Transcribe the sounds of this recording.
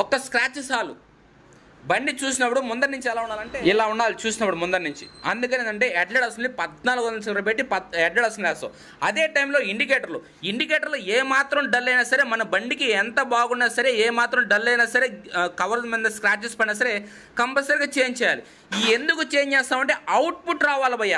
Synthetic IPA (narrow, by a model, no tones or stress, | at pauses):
ɔkːɐskɾaːt͡ʃisaːlṵ | bɐɳɖit͡ʃuːsinɐpuɽumund̪ɐɾnːuɲt͡ʃiɛlaːuɳːaːlɐɳʈeːilaːuɳːaːlit͡ʃuːsinɐpːuɽumund̪ɐɾnuɲt͡ʃiɐnd̪uk̬ɐnenɐɳʈ̬e̞ːɛɖleɽɐsɐnːipɐd̪naːluɡɐnɐsɐɾlɐbeʈ̬ːipɐd̪ɛɖleɽɐsɐnlɛːst̪ɐ̰ | ɐd̪eːʈɐjmlo̞ːiɳɖik̬eːʈɐɾloː | iɳɖik̬eːʈɐɾloːeːmaːt̪ɾɐmɖɐlːɐjnaːsɐɾe̞ːmɐnɐbɐɳɖikiɛnt̪ɐbaːɡunːaːsɐɾe̞ːeːmaːt̪ɾɐmɖɐlːɐjnaːsɐɾe̞ːkɐʋɐɾd̪mend̪ɐskɾaːt͡ʃːespɐinaːs̬ɐɾe̞ | kɐmpɐsɐɾɡaːt͡ʃeːɲt͡ʃɛːjaːli | iːend̪ukut͡ʃeːɲd͡ʒɛːst̪aːmɐɳʈe̞ːʔɐwʈ̚puʈɾaːʋaːlɐbɐjːaː